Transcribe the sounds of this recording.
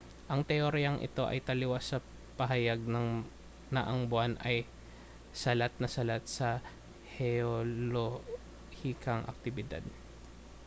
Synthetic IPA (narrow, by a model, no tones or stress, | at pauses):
ʔɐŋt̪ɛʔoɾijɐŋʔɪ̰t̪o̞ʔɐ̰jt̪ɐlɪwasɐ | pɐɦɐjaɡ̚nɐŋ | nɐʔɐŋbʊanʔɐj | sɐlat̪̚nɐsɐlat̪̚sɐ | hɛolo | hikɐŋʔɐ̰k̚t̪ɪbɪd̪a̰d̪̚